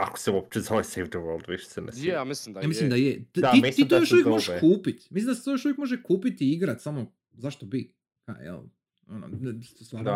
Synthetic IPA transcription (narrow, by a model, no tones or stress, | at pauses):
ako̥seuop̚t͡ʃezoʋesejfdʋølˠd̪ʋiʃe̥senesmislimislimd̪ajet̪daimit̪it̪ojoʃujemoʒeʃkuːpit̪mislimd̪aset̪ojo̞ʃuʋjekmoʒekuːpit̪iiɡɾat̪samo | zaʃt̪obi | ka̰jɛ̰l | ono̰nt̪st̪ʋaːɾ